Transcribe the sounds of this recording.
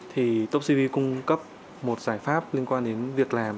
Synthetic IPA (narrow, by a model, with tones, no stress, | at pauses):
t̪ʰi˨˩t̪o˦˥p̚si˧vi˧kʊ˧ŋ͡mkə˦˥p̚ | mo˨˩t̚z̥aː˧˩jfaː˦˥p̚li˧ənkwaː˧nɗe˨˦nvi˨˩ək̚laː˨˩m